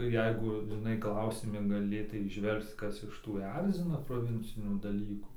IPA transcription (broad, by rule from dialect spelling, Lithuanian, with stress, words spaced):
ˈjɛɪɡʊ ʒʲɪˈnɐɪ ˈklˠɐʊsʲɪmʲɪ ɡɐˈlʲeːtɐɪ iːˈʒʲʋʲɛlˠkt͡s ˈkɐs ɪʃ ˈtuː ˈɛrʲzʲɪnɐ proːˈʋʲɪnʲt͡sʲɪnʲuː dɐˈlʲiːkuː